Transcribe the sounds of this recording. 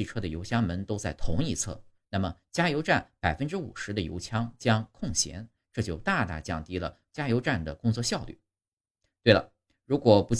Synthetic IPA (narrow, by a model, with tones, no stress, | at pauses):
i˥˩ʈ͡ʂʰɤ˥d̪ə˨jo˧˥ʊt͡ɕjɑ˥ŋmə˧˥nt̪o˥ʊt͡sa˥˩ɪt̪ʰʊ̰˧˥ŋi˥˧t͡sʰɤ̰˥˩na˥˩mə˩t͡ɕja˥jo˧˥ʊʈ͡ʂa˥˩npa˨˩ɪfə˥nʈ͡ʂɻ̩˥ṵ˨˩ʂɻ̩˧˥d̪ə˧jo̰˧˥ʊt͡ɕʰjɑ˥ŋt͡ɕjɑ˥ŋkʰʊ˥˩ŋɕjɛ̰˧˥n | ʈ͡ʂɤ˥˧t͡ɕjo˥˧ʊt̪a˥˧t̪a̰˥˩t͡ɕjɑ̰˥˩ŋt̪i˥lə̰˨ | t͡ɕja˥jo˧˥ʊʈ͡ʂa˥˩nd̪ə˩kʊ˥ŋt͡swɔ˥˧ɕjɑ˥˧ʊly̰˥˩ | t̪we˥˩ɪlə̰˩ | ɻu˧˥kwɔ˨˩pu˧˥